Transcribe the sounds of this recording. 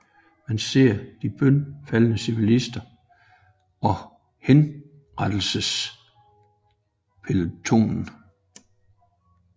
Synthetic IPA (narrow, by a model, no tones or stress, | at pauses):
mænse̝ɐ̰d̥ib̥œnfælənəsiʋilisd̥ɐ | ɒ̽ | hen | ʁad̥l̩səs | pʰelut͡sʰo̝̰ːnn̩